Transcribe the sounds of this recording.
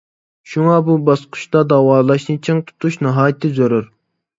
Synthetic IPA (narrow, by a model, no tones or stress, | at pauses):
ʃuŋɑbubɑsqʰʊ̥ʃd̪ɑd̪ɑwɑːlˠɑʃnɨt͡ʃʰɨŋt̪ʰu̥t̪ʰuʃnɑɦɑːjɪt̪ʰːɪzøɾyɾ